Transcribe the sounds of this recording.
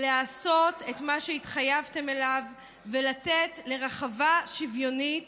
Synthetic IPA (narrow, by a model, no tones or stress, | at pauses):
leaso̞te̞tmaʃeitχajavte̞me̞lav | velatetle̞ʁaχavaʃivjo̞nit